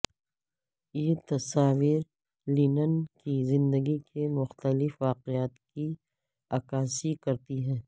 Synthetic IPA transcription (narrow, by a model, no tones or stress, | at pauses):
jeːt̪ɐsaːʋiːɾ | liːnənkizɪ̃nd̪əɡikʰemʊxt̪əlɪfʋaːqeaːt̪ki | aːkaːsikɐɾt̪iɦɛ̃ː